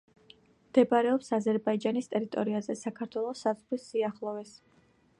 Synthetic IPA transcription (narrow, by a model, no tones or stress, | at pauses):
md̪̥ɛbaɾɛɔpsazɛɾbaid͡ʒanist̪ʼɛɾit̪ʼɔ̰ɾiazɛsakʰaɾt̪ʰwɛlˠɔsazʁɾisːiaχlˠɔvɛs